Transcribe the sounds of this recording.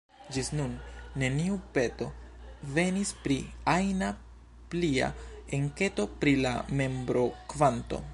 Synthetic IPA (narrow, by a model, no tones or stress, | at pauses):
d͡ʒisnunːe̞niupe̞to̞ve̞nispɾiajna | plia̰eŋke̞to̞pɾila̰me̞mbɾo̞kvanto̞̰